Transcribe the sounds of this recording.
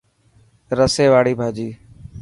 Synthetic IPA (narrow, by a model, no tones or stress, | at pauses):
ɾəseːʋaːɽiːbʱaːd͡ʒiː